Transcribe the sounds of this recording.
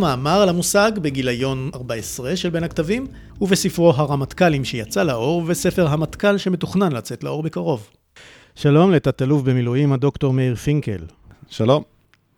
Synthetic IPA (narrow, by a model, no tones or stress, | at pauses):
maːmaʁalamusaɡbe̞ɡilajo̞naʁbaesʁeʃelbe̞nhaktavim | uvesifʁo̞ɦaʁamat̪kalimʃejat͡salaʔo̞ʁvese̞fe̞ʁɦamatkalʃeme̞tuχnanlat͡se̞tlao̞ʁbekaʁo̞v | ʃalo̞mlet̪at̪alufbemiluimhad̪o̞kto̞ʁmeiʁfiŋkḛl | ʃalo̞m